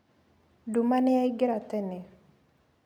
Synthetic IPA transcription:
dumanɛjaiɡɪɾat̪ɛne

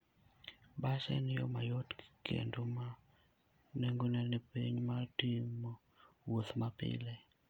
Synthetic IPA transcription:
basɛ̰nɪjomajotkḛndoma | neŋɡonɛnɛpḭɲmatimo | woθmapɪ̰lɛ

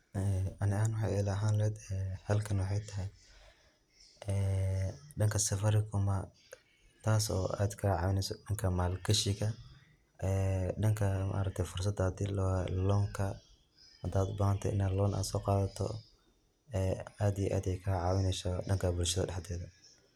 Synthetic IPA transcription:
ʔɛɐnɪaːnwɑħɑ̰jɛlɐɦaːnlɛɛd̪ɛːhɐlkʰɐnwɑħɑjt̪ʰɐɦɛj | ʔɛːɖɐŋkʰɐsɐfɐɾɪkʰʊmɐ | t̪ʰaːsɔ̰ːʔa̰ːd̪kʰɐlʕɑːwɪnɛsɔɖɐŋkʰɐmaːlkʰɐʃɪɣɐ | ɛːɖɐŋkʰɐma̰ːɾɐk̚t̪ʰɛjfʊrs̬ɐd̪ɐd̪ilɔhɛlɔŋkʰɐ | hɐd̪aːd̪bɐnɐnt̪ʰɛ̰ʔɪ̰naːlɔːnʔa̰ːd̪sɔːqɑːðɐt̪ʰɔ̰ | ɛːaːd̪ijɛʔa̰ːd̪ɛjkʰɐɐʕɑːwɪnɛjsɔɖɐŋkʰɐbʊlʃɐðɐ̰ɖɛħd̪ɛːðɐ

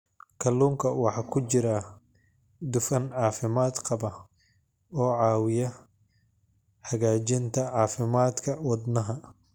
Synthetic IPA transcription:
kʰɐlːuːŋkʰɐwɑħɑːkʰʊt͡ʃɪɾɐ | d̪ʊfɐnʕɑːfɪmaːd̪qɑbɐ | ɔːʕɑːwɪjɐ | ħɐɣaːt͡ʃɪnt̪ʰɐʕɑːfɪmaːd̪kʰɐwɑd̪nɐɦɐ

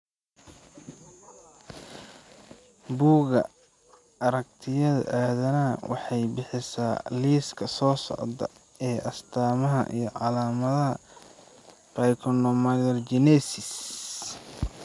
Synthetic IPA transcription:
buːɣɐ̰ | ɐɾɐk̚t̪ʰɪjɐðɐ̰ʔaːðɐnɐwʔɑ̰ħɑjbɪħɪsaːliːskʰɐsɔːsɔ̰ʕd̪ɐ̰ | ɛːʔɐst̪ʰaːmɐɦɐ̰ʔḭjɞʕɑlaːmɐðɐɦɐ | bajkʰɔnɔmajɐld͡ʒɪnɛsɪs

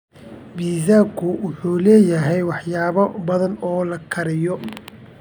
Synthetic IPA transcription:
biːzaːkʰʊwʊħuːlɛːjɐɦɛjwɑħjaːβɐbɐðɐnɔːlɐkʰɐɾɪjɔ

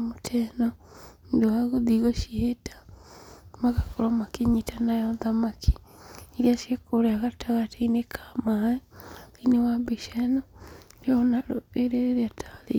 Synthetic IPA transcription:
motʰɛnɔndoaɣoðiɣoʃihetḁ | maɣakoɾɔmakeɲitanajɔðamakʰi̥iɾiasiekoɾeaɣataɣatainekʰamaɛinewabeʃɛnɔɾjɔnaɾoeɾeɾeɾeatʰalḛ

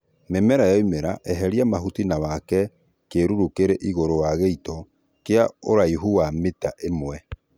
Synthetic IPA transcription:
memɛɾajɔimeɾaʔɛɦɛɾiamaɦutinawakɛ | keɾuɾukeɾeʔiɣoɾowaɣeitɔ | keaoɾaiɦuametaʔemwɛ

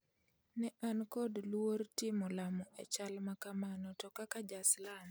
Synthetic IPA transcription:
nɛʔankɔdlwoɾtɪmɔlamɔʔet͡ʃalmakamanɔtɔkakad͡ʒaslan

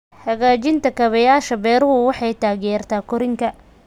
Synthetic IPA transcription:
hɐɣaːt͡ʃɪnt̪ʰɐkʰɐβɐjaːʃɐbɛːɾʊɦʊwɑħɑjt̪ʰaːɣjɛːrt̪ʰaːkʰɔɾɪŋkʰɐ

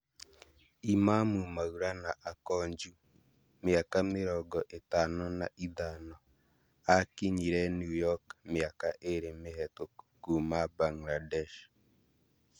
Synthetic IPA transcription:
imamumaɣuɾanaʔakɔɲd͡ʒu | meakameɾɔɡɔʔetanɔnaʔiðanɔ | akiɲiɾɛnjujɔkmeakaʔeɾemeɦɛtokumabaŋladɛʃ

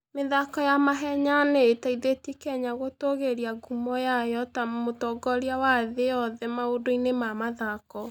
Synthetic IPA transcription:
meðakɔjamaɦɛɲaneːtaiðetikɛɲaɣotoɣeɾiaɡumɔjajɔtamotɔɡɔɾiawaðeɔðɛmaodoinemamaðakɔ

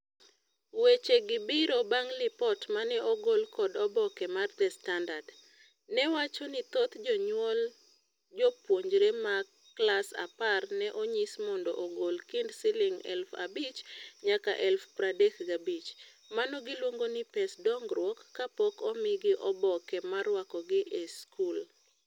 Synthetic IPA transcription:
wet͡ʃeɡɪbɪɾobaŋlɪpɔtmanɛʔɔɡolkɔdɔbɔkɛmard̪ɛstandad | nɛwat͡ʃɔnɪt̪ot̪d͡ʒɔɲwɔl | d͡ʒɔpwoɲd͡ʒɾema | klasa̰parnɛʔoɲismɔndɔʔoɡolkindsɪlɪŋɛ̰lfa̰bit͡ʃɲaka̰ʔɛlfpɾadekɡabit͡ʃ | manɔɡɪlwoŋɡonɪpɛsdɔŋɡrwɔkːapɔkɔmɪɡɪʔɔbɔkɛmarwakɔɡɪʔeskʰul

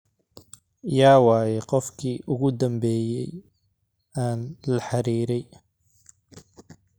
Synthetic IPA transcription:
jaːwɑːjɛqɔfkʰiːʔʊɣʊd̪ɐmbɛːjɛj | aːnlɐħɑɾiːɾɛj

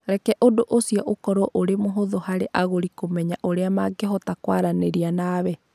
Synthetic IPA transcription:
ɾɛkɛʔodoʔosiɔʔokɔɾoʔoɾemoɦoðohaɾeʔaɣoɾikomɛɲaʔoɾeamaɡeɦɔtakwaɾaneɾianaβɛ

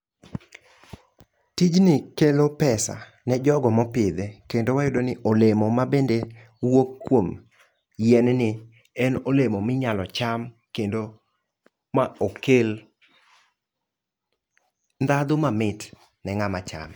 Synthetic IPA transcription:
tid͡ʒnɪkelopɛsa̰ | nɛd͡ʒɔɡɔmɔpɪd̪ekendowajʊdonɪʔolemomabende | wokkːwom | jɛnnɪ | ɛnolemomɪɲalɔt͡ʃam | kendo | maokel | nd̪ad̪ʊmamɪt | nɛŋamat͡ʃa̰m

